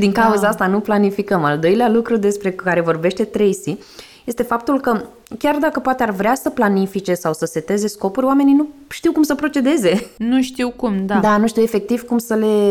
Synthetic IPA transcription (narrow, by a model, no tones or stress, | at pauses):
d̪iŋkauzaast̪anuplanifikəmald̪o̞jlealukɾud̪e̞spɾe̞kaɾe̞vo̞rbe̞ʃt̪e̞t̪ɾe̞jsi | je̞st̪e̞fap̚t̪ulkə | kʲard̪akəpoat̪earvɾeasəplanifit͡ʃe̞sawsəse̞t̪e̞ze̞sko̞puɾʲoame̞nijnuʃt̪iwkumsəpɾo̞t͡ʃe̞d̪e̞ze̞nuʃt̪iwkumd̪ad̪anuʃt̪iwefe̞k̚t̪iv̥kumsəle̞